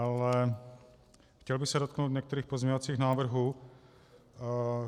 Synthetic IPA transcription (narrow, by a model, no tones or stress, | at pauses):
alɛ | xcɛlbɪxsɛdot̪̚knowt̪ɲɛk̚t̪ɛɾiːxpo̞zmɲɛɲovat͡siːxnaːvr̩ɦuː